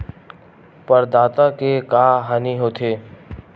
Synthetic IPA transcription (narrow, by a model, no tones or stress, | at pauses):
pəɾd̪aːt̪akekaːɦaːniɦoːt̪ʰeː